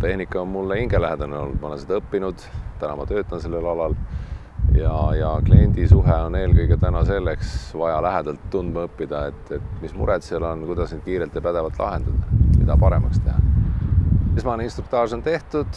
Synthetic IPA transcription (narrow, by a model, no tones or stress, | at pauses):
t̪e̞hnikːˑɑonmulːeiŋɡ̥elæɦed̪̥ɑneo̞̰lːud̪̥mɑnɑsed̪̥ɤpːinud̪̥t̪ænɑmɑt̪ø̞ːt̪ːˑɑnse̞lːelɑlɑl | jɑjɑklienʲd̪̥isuɦɛo̞ne̞ːlkɤjɡet̪ænɑse̞lːeksvɑjɑlæɦed̪̥ɑlt̪ːund̪̥mɑɤpːid̪̥ɑet̪ːet̪mismṵɾɛt̪seɑlo̞nkujd̪̥ɑsned̪̥kiːɾelt̪ːˑepæd̪e̞vɑlt̪ˑlʔɑ̰ɦend̪̥ɑd̪̥ɑmid̪ɑpɑɾe̞mɑkst̪e̞ɦhɑ̰ | ismɑneinst̪ɾuk̚t̪ɑːrso̞nt̪e̞ht̪ud̪̥